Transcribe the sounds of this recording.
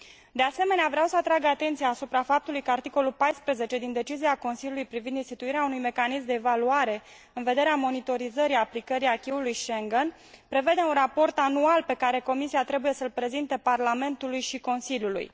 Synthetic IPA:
d̪e̞ase̞me̞neavɾeawsəat̪ɾaɡat̪e̞nt̪sijaːsupɾafap̚t̪ulujkəart̪iko̞lulpajspɾeze̞t͡ʃe̞d̪ind̪e̞t͡ʃiziako̞nsiljulujpɾivind̪inst̪it̪uiɾeaunujme̞kanismd̪e̞ːvaluaɾe̞ | ɨnve̞d̪e̞ɾeamo̞nit̪o̞ɾizəɾiaplikəɾiakʲiulujʃeŋɡən | pɾe̞ve̞d̪e̞unrapo̞rt̪anualpe̞kaɾe̞ko̞misiat̪ɾe̞buje̞səlpɾe̞zint̪e̞parlame̞nt̪ulujʃiko̞nsiljulṵj

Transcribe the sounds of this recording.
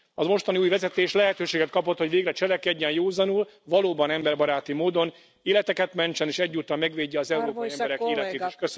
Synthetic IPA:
ɒmo̞ʃt̪ɒniuːjvɛzɛt̪eːʃlɛɦɛt̪øːʃeːɡɛt̪̚kɒpo̞t̪ho̞ɟʋeːɡrɛt͡ʃɛlɛkɛɟːɛnjoːzɒnulvɒloːbɒnɛmbɛrbɒɾaːt̪imoːd̪o̞n | eːlɛt̪ɛkɛt̪mɛɲt͡ʃɛneːʃɛɟːuːt̪ːɒmmɛɡʋeːɟːɛɒzɛuɾoːpɒjiɛmbɛɾɛkeːlɛt̪eːt̪i̥ʃkøs

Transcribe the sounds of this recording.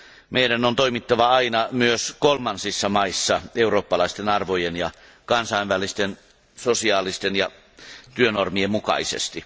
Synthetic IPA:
meiɾænont̪oimit̪ːɑʋɑɑinɑmyøskolmɑnsisːɑmɑisːɑeuroːpːɑlɑist̪enɑrʋojenjɑ | kɑnsɑiʋʋælist̪en | sosiɑːlist̪enjɑ | t̪yønormiemmukɑ̰isḛst̪i

